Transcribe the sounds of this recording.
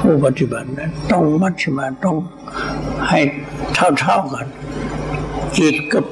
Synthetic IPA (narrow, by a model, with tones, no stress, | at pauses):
pʰuː˧˩˨pa˧t̪ːi˧˩ba˨˩t̪̚na˧˩t̪ɔ˧˥˨ŋma˧˥tsi˧˨maː˧˩t̪ɔ˧˩˨ŋ | ha˨˩jt̪ʰa˧˩wt̪ʰa˧˩˨wka˧˩n | ki˧˩t̪̚ka˧˩p̚